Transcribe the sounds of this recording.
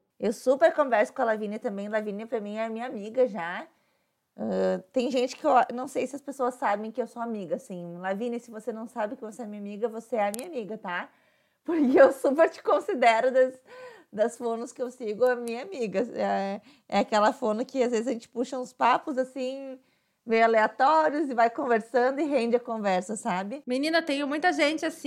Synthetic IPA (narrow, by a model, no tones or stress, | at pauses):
ewsupeɾkõvɛɾsʊ̥kõɐalavĩnɐt̪ɐ̃bẽj̃lavĩnɐpɾɐmĩj̃ɛɐmĩɲamiɡɐʒa | ɛt̪ẽj̃ʒẽt͡ʃɪ̥kɪewnɐ̃w̃sejsɪɐspesoɐsːabẽj̃kɪewsoamiɡɐsĩlavĩnɐsɪvosenɐ̃w̃sabɪkɪvoseɛɐmĩɲamiɡɐvoseɛɐmĩɲamiɡɐt̪a | poɾkɪewsupeɾt͡ʃɪ̥kõsid̪ɛɾʊd̪ɐsd̪ɐsfõnʊskɪewsiɡʊɐmĩɲɐamiɡɐɛ | ɛakɛlɐfõnʊkɪazvezɪzɐʒẽt͡ʃɪ̥puʃɐũspapʊzasĩ | mejʊaleat̪ɔɾiʊzɪvajkõveɾsɐ̃nd̪ʊɪɦẽnd͡ʒɪɐkõvɛɾsɐsabɪminĩnɐt̪ẽj̃ʊmũj̃t̪ɐʒẽnt͡ʃɪasĩ